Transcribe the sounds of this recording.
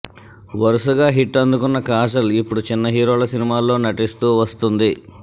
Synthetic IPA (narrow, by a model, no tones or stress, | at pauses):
ʋɐɾusuɡaːɦiʈːɐnd̪ukunːɐkaːs̬ɐlipːuɽut͡ʃinːɐɦiːɾo̞ːlɐsinimaːlːo̞ːnɐʈist̪uːʋɐst̪und̪i